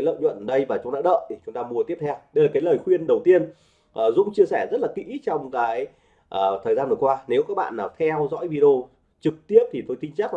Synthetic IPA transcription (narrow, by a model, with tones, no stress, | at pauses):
a˨˦jlə̰ː˧˨ɲwə̰˧˨nɗə˧jvaː˨˩t͡ɕʊ˨˦ŋ͡mɗa̰ː˧˥ɗə̰ː˧˨t̪ʰi˨˩t͡ɕʊ˨˦ŋ͡mt̪aː˧mu˧ət̪i˦˥əp̚t̪ʰɛ˧wɗə˧jlaː˨˩kaː˨˦jləː˨˩jxwi˧ənɗə˨˩wt̪i˧ən | ʔəː˨˩zʊ̰˧˥ŋ͡mt͡ɕi˧əsɛ˧˩zə˦˥t̚laː˨˩kḭ˧˥t͡ɕɔ˧wŋ͡mkaː˨˦j | ʔəː˨˩t̪ʰəː˨˩jzaː˧nvəː˨˩kwaː˧ne˨˦wkaː˦˥k̚ɓa̰ː˧˨nlaː˨˩t̪ʰɛ˧wzɔ̰˧˥jvi˧ɗo˧ | t͡ɕɨ˨˩k̚t̪i˦˥əp̚t̪ʰi˨˩t̪o˧jt̪ï˧ŋ̟t͡ɕaː˦˥k̚